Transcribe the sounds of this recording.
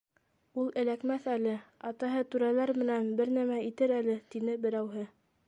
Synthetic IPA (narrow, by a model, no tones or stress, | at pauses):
ulˠɘ̆lækmæθælɘɑt̪ɑɦɤt̪ʉɾælæɾmɘ̆nænbɘɾnæmæit̪ɘɾælɘt̪inɘbɘ̆ɾæwɦɘ